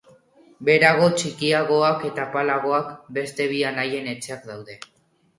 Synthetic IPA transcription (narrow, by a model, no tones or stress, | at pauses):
be̞ɾaɣ̞o̞t͡ʃikiaɣo̞ake̞t̪apalaɣ̞o̞akbe̞st̪e̞βianaje̞ne̞t͡ʃe̞akd̪awðe̞